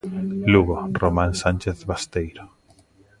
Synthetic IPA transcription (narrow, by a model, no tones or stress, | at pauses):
luɣoromãnsãnʲt͡ʃeθβast̪ejɾo